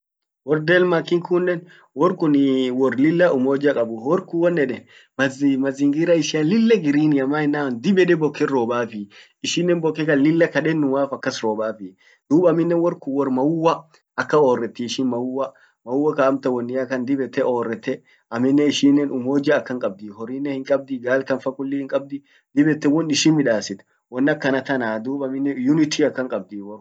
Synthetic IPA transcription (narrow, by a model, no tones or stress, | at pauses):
wɔɾd̪ɛlmɐkːɪŋkʰʊnːɛn | wɔɾkʊnwɔrlɪlːɐʔʊmoːd͡ʒɐkʼɐbʊwɔɾkʊwɔnːɛᶑɛ | mɐmɐzɪŋɡɪɾɐɪʃɪalɪlːɐɡɪɾiːnɪɐmaːɪnːaːnd̪ɪbɛᶑɛbɔkːɛɾoːbaːfɪ | ɪʃɪnːɛnbɔkːɛkɐnlɪlːɐkɐᶑɛnːʊwaːfɐkːɐsɾoːbaːfɪ | d̪̥uːbɐmɪnːɛnwɔɾkʊwɔrmɐwʊwːɐ | ɐkːɐoːrːɛt̪ːɪːʃɪnmɐwʊwːɐ | mɐwʊwːɐkaːmt̪ɐwɔnːɪɐkɐnd̪ɪbɛt̪ːɛʔoːrːɛt̪ːɛ | ɐmɪnːɛɪʃɪːnːɛnʔʊmoːd͡ʒɐːkːɐŋkʼɐb̚d̪iːhɔɾiːnːɛhɪŋkʼɐb̚d̪ɪɡaːlkɐnfɐkʊlːɪhɪŋkʼɐb̚d̪ɪ | d̪ɪbɛt̪ːɛwɔnɪʃɪnmɪᶑaːsɪt̪ | wɔnːɐkːɐnɐt̪ɐnaːd̪uːbɐmɪnːɛjʊnɪt̪iɐkːɐŋkʼɐb̚d̪iːwɔɾ